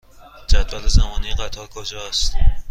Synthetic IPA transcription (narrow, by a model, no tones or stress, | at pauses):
d͡ʒæd̪vælezæmɒːniɢæt̪ʰɒːɾkʰod͡ʒɒːæst̪